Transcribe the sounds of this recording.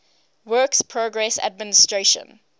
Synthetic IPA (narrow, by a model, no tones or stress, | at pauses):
wɜːˑkspʰɹoɡɹɛsa̰d̚mɪnɪstɹeʃə̰̃n